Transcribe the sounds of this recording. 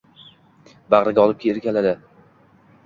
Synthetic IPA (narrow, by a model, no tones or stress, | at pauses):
bɑʁɾɪɡʲaɒlˠɪp̚kʲʰeɾɪkʲalad̪ɪ